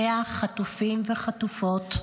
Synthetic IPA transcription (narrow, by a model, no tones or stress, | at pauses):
eaχatufimveχatufo̞t